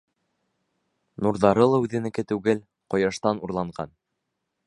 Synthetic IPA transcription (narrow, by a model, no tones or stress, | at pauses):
nuɾðɑɾɤlˠɑʉðɘ̆nɘ̆kɘt̪ʉɡɘl | qŏjɑʃt̪ɑnuɾlˠɑɴɢɑn